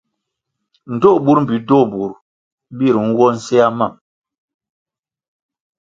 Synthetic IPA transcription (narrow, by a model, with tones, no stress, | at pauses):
n̩˨to˦ʔbu˦ɾm̩˨bi˨do˦˨bu˨ɾ | bi˦˨ɾŋ̩˦ɡɔ˦n̩˦sɛ˦a˦ma˦˨m